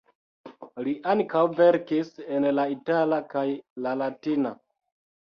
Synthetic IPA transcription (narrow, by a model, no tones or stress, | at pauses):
liʔaŋkawveɾkisenlaitalakajlalatina